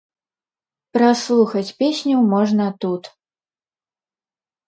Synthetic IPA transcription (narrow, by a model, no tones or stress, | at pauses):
pɾaslˠuxɐt͡sʲpʲesʲnʲuwmɔʐnɐt̪ut̪